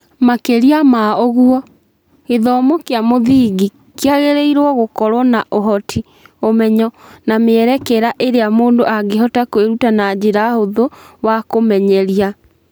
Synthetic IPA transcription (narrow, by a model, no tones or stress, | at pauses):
makeɾiamaoɣuɔ | eðɔmokeamoðiːɣi | keaɣeɾeiɾwɔɣokɔɾwɔnaʔoɦɔtʰi | omɛɲɔnameɛɾɛkeɾaʔeɾeamoːndoaɡeɦɔtakoweɾutanad͡ʑeɾahoðowakomɛɲɛɾia